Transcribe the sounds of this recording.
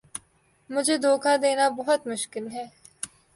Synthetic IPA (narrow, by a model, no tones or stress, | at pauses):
mʊd͡ʒʱed̪ʱoːkʰad̪eːnabɐɦʊt̪mʊʃkɪlɦɛː